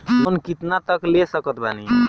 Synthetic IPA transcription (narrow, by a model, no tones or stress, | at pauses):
mənkit̪nat̪əklesəkət̪̚ba̰ni